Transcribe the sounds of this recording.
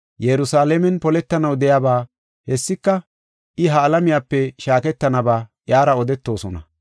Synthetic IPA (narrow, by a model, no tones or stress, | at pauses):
jɛɾʊsaːlɛmɛnpɔlɛt̪ːɐnɐwd̪ɛjaːbaː | hɛsːɪkːɐ | ʔɪɦɐːlɐmɪjaːpːɛʃaːkɛt̪ːɐnɐbaːʔjaːɾɐɔd̪ɛt̪ːo̞ːsɔnɐ̰